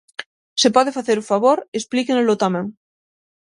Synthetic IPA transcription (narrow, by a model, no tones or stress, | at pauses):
sepɔðefaθeɾufaβoɾesplikenlot̪amɛ̃ŋ